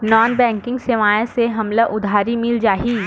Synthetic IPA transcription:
nɔːnbɛ̃ːŋkɪ̃ŋɡseʋaːẽseɦɐmlaʔʊd̪ʱaːɾimɪld͡ʒaːɦiː

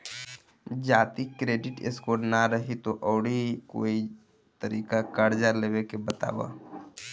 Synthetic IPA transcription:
d͡ʒaːt̪ikɾeːɖɪʈɪ̰skonaɾɐɦit̪oʔɔːɽiko̰ːi | t̪əɾiːkakəɾd͡ʒaɾleːwekebət̪a̰ːʋa̰ː

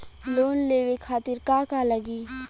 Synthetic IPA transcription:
loːnleːwekʰaːt̪ɪɾkãːkaləɡiː

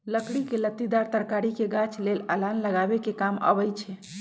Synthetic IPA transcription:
ləkɽikelət̪ːid̪aɾt̪əɾkaɾikeɡat͡ʃʰlelalanləɡabekekamə̰bəjt͡ʃʰɛ

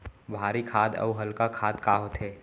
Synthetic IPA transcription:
bʱaːɾikʰaːd̪ɐ̰uɦɐlkakʰaːd̪kaːɦoːt̪ʰɦeː

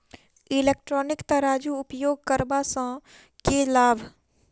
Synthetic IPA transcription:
ɪleːk̚ʈɾɔːnɪkt̪ɐɾaːd͡ʒuʊpjoːɡ̚kəɾbasã | kelaːbʱ

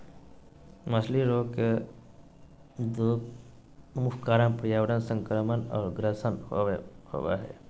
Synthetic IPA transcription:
məsliɾoːɡke | d̪u | mukkaːɾanpɾijaːʋəɖənsə̃ŋkɾəmənɔ̰ːɾɡɾəsənho̰eho̰wḛɦɛ̰ː

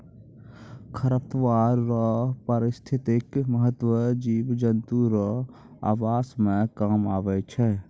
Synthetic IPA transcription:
kʰəɾəpt̪ʋaːɾːəpəɾɪst̪ʰɪt̪ɪkməɦət̪ːwəd͡ʒiːʋd͡ʒənt̪uɾə | a̰ːʋaːsmẽkaːmaːʋət͡ʃʰɛː

